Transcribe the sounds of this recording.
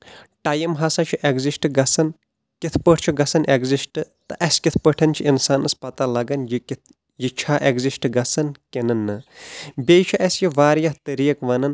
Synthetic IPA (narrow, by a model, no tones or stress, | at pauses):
ʈɐjimɦɐsat͡ʃʰuʔeɡzisʈɨɡɐsɐn | kʲit̪ʰpəʈʰt͡ʃʰuɡɐsɐnʔeɡzisʈɨt̪ɨʔɐsʲkʲit̪ʰpəʈʰɐnt͡ʃʰiinsaːnɨspɐt̪alɐɡɐnjik̪ | jit͡ʃʰaːʔeɡzisʈɡɐsɐnkʲenɐnːɨbʲeːt͡ʃʰuʔɐsʲjiʋaːɾjɐht̪əɾiːɐkʋɐnɐn